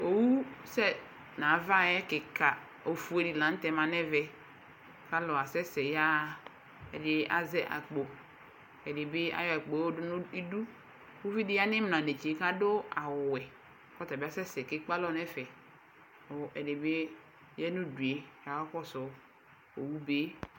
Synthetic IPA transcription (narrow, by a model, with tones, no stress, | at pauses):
o˨wu˦sɛ˦ | na˨va˦˨jɛ˦kɪ˨ka˨ | o˨fu˨˦e˨ɾi˨lã˨n̩˦tɛ˨ma˨nɛ˦vɛ˦ | ka˦lɔ˨a˨sɛ˦sɛ˨ja˦˨ | ɛ̰˨dɪ˦a̰˦zɛ˦ʔa̰˨k͡po˨ | ɛ˨dɪ˨bɪ˦a̰˦jɔ˨ɛ˨k͡po˨˦i˦du˦ | wu˦vi˦dɪ˦a˦nɪ˦m˨n˨a˨ne˨t͡ʃi˨e˨ka˦do˦a˨wwɛ˨ | kɔ˦ta˨ba˦sɛ˦sɛ˨kɪ˦k͡pa˦lɔ˦nɛ˦fɛ˨ | ɔ˨ʔɛ˨dɪ˨be˦ | jɛ˦nu˦du˨e˨ka˨wa˦kɔ˦sɔ˨ | o˨wu˦be˦